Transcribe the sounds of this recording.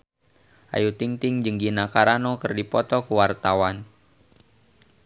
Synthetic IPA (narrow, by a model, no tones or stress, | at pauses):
ʔa̰jut̪iŋt̪ɪŋd͡ʒɨŋɡinakaɾanɔkərdipɔt̪ɔkuwart̪awan